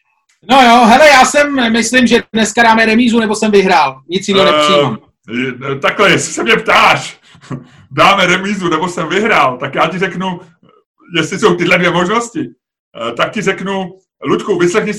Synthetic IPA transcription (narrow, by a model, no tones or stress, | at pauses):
no̞joɦɛlɛjaːsɛmːɪslɪmʒɛdnɛskadaːmɛɾɛmiːzunɛbo̞sɛmvɪɦɾaːlɲɪt͡sjɪnɛnɛsi | t̪aklɛjɛsɪ̥sɛmɲɛpt̪aːʃ | daːmɛɾɛmiːzunɛbosɛmvɪɦɾaːlt̪akjaːcɪrɛknu | jɛst̪lɪso̞wt̪ɪɦlɛdvjɛmoʒno̞scɪ | t̪ak̚cɪrɛknu | luc̪kuvɪslɛxɲɪs